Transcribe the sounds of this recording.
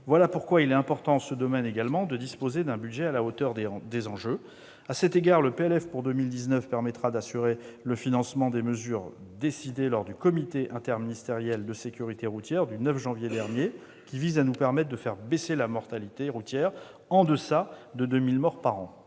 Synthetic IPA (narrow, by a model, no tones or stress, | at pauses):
vwalapuʁkwailɛt̪ɛ̃pɔʁt̪ɑ̃ɑ̃səd̪ɔmɛneɡalmɑ̃d̪əd̪ispozed̪ɛ̃byd̪ʒɛalaot̪œʁd̪d̪ezɑ̃ʒø | asɛt̪eɡaʁləpeɛlɛfpuʁd̪əmild̪iznœfpɛʁmɛt̪χad̪asyʁeləfinɑ̃smɑ̃d̪eməzyːʁd̪esid̪elɔʁd̪ykɔmit̪eʔɛ̃t̪ɛʁminist̪eʁjɛld̪əsekʲyʁit̪eʁut̪jɛʁd̪ynœfʒɑ̃vjed̪ɛʁnje | kʲivizanupɛʁmɛt̪̚d̪əfɛʁbeselamɔʁt̪alit̪eʁut̪jɛʁ | ɑ̃d̪əsad̪əd̪ømilmɔʁpaʁɑ̃